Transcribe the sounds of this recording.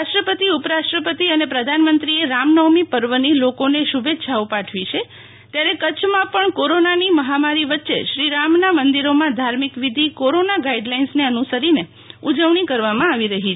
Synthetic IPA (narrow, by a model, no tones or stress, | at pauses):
aʃʈɾəpət̪iupɾaʃʈɾəpət̪iənepɾəd̪ʱanmənt̪ɾieɾamnəwmipəɾʋənilokoneʃubetːʃʰaopaʈʰʋit͡ʃʰe | t̪jaɾekət͡ʃʰmãpəɳkoɾonaniməɦamaɾiʋətːʃḛʃɾiɾamnamənd̪iɾomãd̪ʱaɾmikʋid̪ʱikoɾonaɡaiɖlainsneənusəɾine | ud͡ʒəʋɳ̃ikəɾʋamãaʋiɾəɦit͡ʃʰ